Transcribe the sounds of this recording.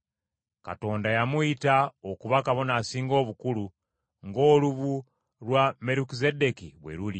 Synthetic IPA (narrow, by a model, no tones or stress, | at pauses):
ka̰to̞ːndajamuitaokuβakaβo̞nasiːŋɡo̞ːβukulu | ŋɡo̞ːluβu | lwame̞ɾukizedekiβwḛɾuli